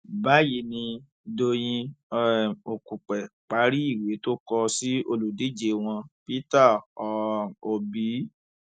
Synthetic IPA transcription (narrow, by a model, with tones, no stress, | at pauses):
ba˦ji˧˦nĩ˧ | do˧j̃ĩ˧˦ | o˨ku˨k͡pɛ˨k͡pa˨˦ɾi˦i˦˨we˨˦to˦kɔ˧si˦o˧lu˨di˨˦d͡ʒe˨˧w̃ɔ̃˧pi˦ta˦˨ɔ˨o˨bi˨˦